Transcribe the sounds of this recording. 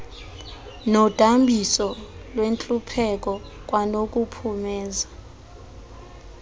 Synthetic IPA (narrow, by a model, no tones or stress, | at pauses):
nɔd̥ʼʱambʱisɔlwent͡ɬʼupʰɛk̬ʼɔk̬ʼwanokʼupʰumɛːza